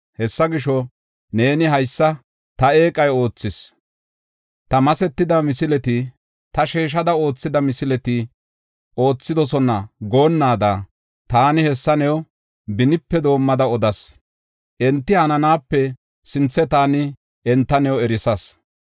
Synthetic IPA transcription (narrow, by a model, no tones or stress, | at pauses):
hɛsːɐɡɪʃɔ | ne̞ːnɪɦɐjsːɐ | t̪ɐe̞ːkʼɐjo̞ːt͡sːɪs | t̪ɐmɐsɛt̪ːɪd̪ɐmɪsɪlɛt̪ɪ | t̪ɐʃeːʃ̬ɐd̪ɐo̞ːt͡sːɪd̪ɐmɪsɪlɛt̪ɪ | ʔo̞ːt͡sːɪd̪ɔsɔnɐɡo̞ːnːaːd̪ɐ | t̪aːnɪhɛsːɐnɛw | bɪnɪpːɛd̪o̞ːmːɐd̪ɐɔd̪ɐs | ʔɛnt̪ːɪhɐnɐnaːpːɛ | sɪnt͡sːɛt̪aːnɪ | ɛnt̪ːɐnɛwɛɾɪsɐs